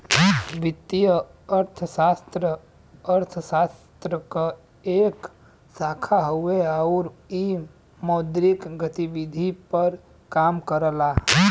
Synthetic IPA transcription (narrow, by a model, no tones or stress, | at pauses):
ʋɪt̪ijəəɾt̪ʰəʃaːst̪ɾə | əɾt̪ʰəsaːst̪ɾəka | eːk | saːkʰaɦoeaʊɾi | mɔːd̪ɾɪkɡət̪iʋɪd̪ʱipəɾ | kaːmkəɾəlaː